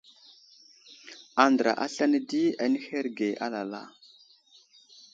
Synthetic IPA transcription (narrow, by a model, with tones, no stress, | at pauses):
a˨ndə˨ɾa̰˨ʔa˦ɬa˦nə˦di˦a˨ni˦he˦ɾɡe˨ʔa̰˦la˨la̰˦˨